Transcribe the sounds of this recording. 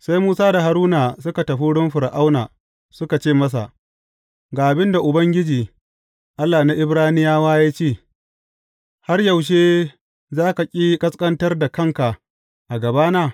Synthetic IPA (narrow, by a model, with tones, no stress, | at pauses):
sa˦jmuː˦saː˦da˨ɦa˨ɾuː˦na˨sʊ˦ka˨tɐ˨ɸi˦ɽʊ˦mɸɪ˨ɾʔa˦wnaː˨ | sʊ˦ka˨t͡ʃeː˦˨mɐ˦s̬a̰˨ʔ | ɡaː˨ʔa˨bɪ˦nda˨ʔʊ˨bɐ˦ŋɡʲɪ˦d͡ʒiː˨ | ʔa˦lːa˨na˦ʔɪ˦bɽaː˦nɪ˦jaː˦waː˦jaː˦t͡ʃeː˦˨ | ha˦rjɐ˨wʃ̬eː˦ | zaː˦ka˨kʲʼiː˦kʼɐ˦skʼɐ˦ntɐ˦rda˨kɐ˦ŋka˨ʔ | ʔa˨ɡɐ˨baː˦naː˦˨